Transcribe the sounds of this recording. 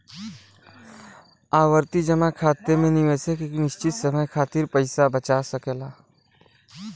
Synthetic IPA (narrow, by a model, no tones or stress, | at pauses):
aːwəɾt̪id͡ʒəmakʰaːt̪ːemẽnɪʋeːsekeːknɪʃt͡ʃɪt̪səməjkʰaːt̪ɪɾpəɪsabət͡ʃasɐkelaː